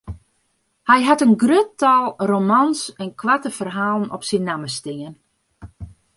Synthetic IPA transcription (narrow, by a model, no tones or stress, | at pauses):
hɛjɦatənɡrøtɔlˠromansɛnkʰʋatəfərɦaːlˠn̩ɔpsinːaməstɪŋən